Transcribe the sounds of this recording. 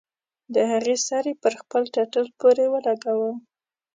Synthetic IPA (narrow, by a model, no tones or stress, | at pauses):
d̪əhaɣesɑɾepəɾxpəlʈaʈəlpoɾewəlaɡawə